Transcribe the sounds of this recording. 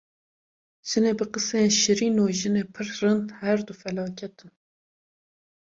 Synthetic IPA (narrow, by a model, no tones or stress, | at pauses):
ʒ̥ɨneːbɨqɨseenʃɨɾiːnoːʒɨneːpʰɨɾrɨnd̪hɛɾd̪ufɛlɑːcʰɛt̪ɨn